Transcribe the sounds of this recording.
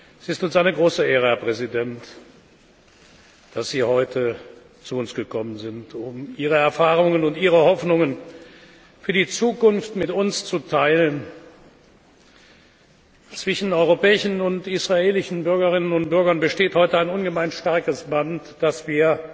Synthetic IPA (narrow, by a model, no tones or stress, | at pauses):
ɛsɪstʊnsaɪnəɡʁoːsəeːʁəhɛɐpʁ̥ɛzidɛnt | d̥asz̥iːhɔʏtʰə | t͡suʊnsɡ̥əkʰɔmənzɪntʰʊmʔiːʁəɛɐfaːʁʊŋənʊntʔiːʁəhɔfnʊŋən | fyːɐdiːt͡suːkʊnftmɪtʊnst͡sutʰaɪlən | t͡sv̥ɪʃn̩ɔʏʁopɛːɪʃn̩ʊntisʁ̥aeːlɪʃn̩bʏɐɡɐʁɪnənʊntb̥ʏɐɡɐnbəʃteːthɔʏtəaɪnʊnɡəmaɪnʃtaɐkəsb̥antd̥asv̥iːɐ